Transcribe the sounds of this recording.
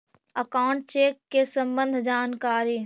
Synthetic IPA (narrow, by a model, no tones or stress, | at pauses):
əkaːʊɳʈ̚t͡ʃeːkːesə̃mbə̃nd̪ʱd͡ʒaːnkaːɾiː